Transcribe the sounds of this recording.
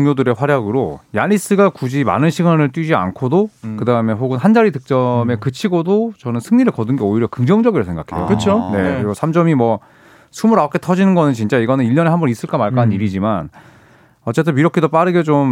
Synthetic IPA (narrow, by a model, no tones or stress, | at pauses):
ŋɲodɯɾe̞ɸwaɾjaɡɯɾojanis͈ɯɡakud͡ʑima̰nɯnɕʰiɡanɯɭt͈wɥid͡ʑia̰nkʰodokɯdaɯme̞ɸoɡɯnɦand͡ʑaɾidɯk̚t͡ɕ͈ʌme̞kɯt͡ɕʰiɡodot͡ɕʌnɯnsʰɯŋɲiɾɯɭkʌdɯnɡe̞oiɾjʌkɯŋd͡ʑʌŋd͡ʑʌɡiɾɯɭsʰe̞ŋɡakʰe̞̰jo̰kɯt͡ɕʰone̞kɯɾiɡosʰamd͡ʑʌmimwʌ | sʰumuɾak͈ʰe̞tʰʌd͡ʑinɯnɡʌnɯnt͡ɕint͡ɕ͈aiɡʌnɯniʎjʌne̞hambʌnis͈ɯɭk͈amaɭk͈anɯniɾid͡ʑiman | ʌt͡ɕ͈e̞t͈ʰɯmiɾʌkʰedop͈aɾɯɡet͡ɕom